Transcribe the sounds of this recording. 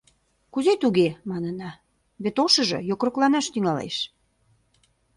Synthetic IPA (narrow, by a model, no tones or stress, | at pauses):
kuzet̪uɣemɑnənɑ | βet̪oʃə̆ʒɤ̰jokroklɑnɑʃt̪yŋɑlḛʃ